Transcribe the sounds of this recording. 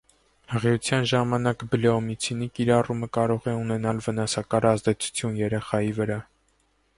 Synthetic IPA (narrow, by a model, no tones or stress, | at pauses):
həʁiut͡sʰjɑnʒɑmɑnɑkbəlɛɔmit͡sʰinikiɾɑruməkɑɾɔʁɛunɛnɑlvənɑsɑkɑɾɑzd̪ɛt͡sʰu̥t͡sʰjunjɛɾɛχɑjivəɾɑ